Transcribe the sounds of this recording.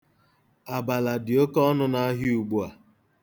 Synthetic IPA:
a˨ba˨la˨dɪ˨o˦kɔ˦ɔ˦nʊ˦na˦ɦi˦u˨ɡ͡bu˦a˨

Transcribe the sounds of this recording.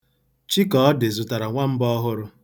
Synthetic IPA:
t͡ʃi˦kɔ˨ɔ˦de˨zu˨ta˨ɾa˨ŋʷa˦m̩˦bɔ˦ɦʊ˦ɾʊ˦

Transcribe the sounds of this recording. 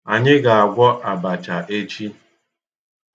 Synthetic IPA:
a˨ɲɪ˦ɡa˨a˨ɡʷɔ˦ʔa˨ba˨t͡ʃa˨ʔe˦t͡ʃi˦

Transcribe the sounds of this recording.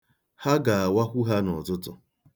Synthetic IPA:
ha˦ɡa˨a˨wa˦kʷu˦ɦa˦nɔ˨tʊ˦tʊ˦

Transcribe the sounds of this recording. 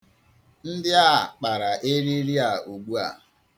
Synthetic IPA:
n̩˦dɪ˦a˦˨k͡pa˨ɾa˨ʔe˦ɾi˦ɾi˦a˨o˨ɡ͡bu˦a̰˨

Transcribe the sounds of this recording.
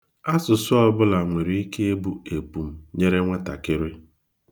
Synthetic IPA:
a˦sʊ˨sʊ˦ɔ˦bʊ˦la˨ŋʷe˨ɾi˨i˦ke˦e˦bu˦e˨pu˨m̩˨ɲe˦ɾe˦ŋʷa˦ta̰˨kɪ˦ɾe˦

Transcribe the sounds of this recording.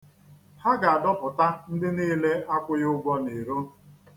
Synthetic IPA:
ha˦ɡa˨a˨dɔ˦pʊ˨ta˦n̩˦dɪ˦niː˦le˦ʔa˦kʷʊ˦jʊ˦ɡʷɔ˦ne˨ɾo˦

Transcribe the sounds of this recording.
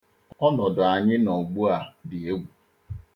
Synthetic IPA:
ɔ˦nɔ˨dʊ˨a˨ɲɪ˦nɔ˨ɡ͡bu˦a˨dɪ˨e˦ɡʷu˨

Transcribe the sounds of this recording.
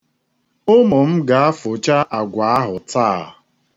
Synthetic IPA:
ʊ˦mʊ˨m̩˦ɡa˨a˦fo˨t͡ʃa˦ʔa˨ɡʷa˨a˦ɦʊ˨taː˦˨

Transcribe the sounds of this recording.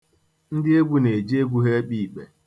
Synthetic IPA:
n̩˦dɪ˦e˦ɡu˨ne˨d͡ʒi˦e˦ɡʷu˦ɦe˦k͡pi˨k͡pe˨

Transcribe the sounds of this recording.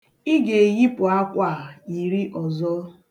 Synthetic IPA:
i˦ɡe˨ɣi˦pʊ˨a˦kʷa˦˨i˨ɾi˦ʔɔ˨zɔ˦

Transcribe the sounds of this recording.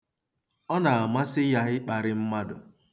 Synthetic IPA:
ɔ˦na˨a˨ma˦sɪ˦ja˦ɣɪ˦k͡pa˨ɾɪ˦m̩˦ma˦dʊ̰˨

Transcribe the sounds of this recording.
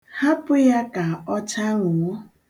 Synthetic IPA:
ha˦pʊ˦ja˦ka˨ɔ˦t͡ʃa˦ŋʷʊ˨ŋʷɔ˦

